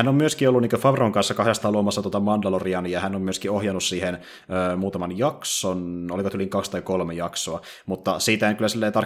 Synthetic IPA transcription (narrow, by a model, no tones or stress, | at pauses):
ænːommyøskiolːuniːkøfɑʋroŋkɑnsːɑkɑhjɑst̪ɑloːmɑsːɑt̪uot̪ɑmɑndɑloriɑnijɑhænːommyøskiohjɑnussiːhen | øːmuːt̪ɑmɑnjɑksonolikot̪yliŋkɑkst̪ɑikolmejɑksoɑ | mut̪ːɑsiːt̪ææŋkylːˑæsilːeit̪ɑr